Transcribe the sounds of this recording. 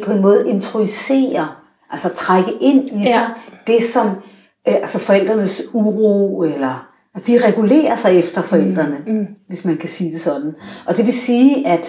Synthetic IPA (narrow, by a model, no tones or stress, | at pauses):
pʰɒ̽enmɔ̽ːð̞̩ˠe̝nt͡sʰʁoisḛːɐ | ʔælsɐt͡sʰʁaɡ̥əʔe̝n̰iɑd̥e̝sɒ̽m | ælsəfɒ̽el̰d̥ʁɐnəsuʁoelɐ | æsd̥iʁɛɡ̥ule̝̰ːɐsɑ̈ɪefd̥ɐfɒ̽el̰d̥ʁɐnəʋe̝smænkʰæsiːd̥e̝sɒ̽d̥n̩ʔɒ̽d̥e̝ʋe̝siːæd̥